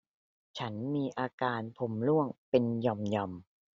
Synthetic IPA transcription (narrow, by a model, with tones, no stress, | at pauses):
t͡ɕʰa˦˥nmiː˧ʔaː˧kaː˧npʰo˨˦mlu˥˩əŋpe˧njɔ˧mjɔ˧m